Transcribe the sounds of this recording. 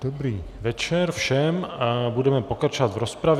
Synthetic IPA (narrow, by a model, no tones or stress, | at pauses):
d̥obɾiːvɛt͡ʃɛɾfʃɛmbudɛmɛpo̞kɾat͡ʃovat̪vɾo̞spɾav